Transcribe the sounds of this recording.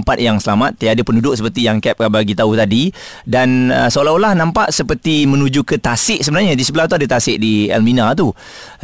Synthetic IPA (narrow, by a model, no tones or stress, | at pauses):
mpat̪̚jaŋsəlamat̪̚ːaaadəpəndudʊk̚səpərt̪ijaŋkɛp̚kabaɡit̪aut̪adi | danəsolaulahnãmpaʔ̪̚səpərt̪imə̃nud͡ʒukət̪asɪʔsəbənarɲadisəbəlaht̪̬uadət̪asɪʔ̚diɛ̰lminat̪u